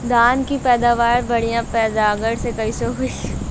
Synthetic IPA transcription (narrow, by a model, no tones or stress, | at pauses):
d̪aːnkipɛːd̪aːʋaːɾbɐɽijãpɛːd̪aːɡəɽsekɐisoɦʊi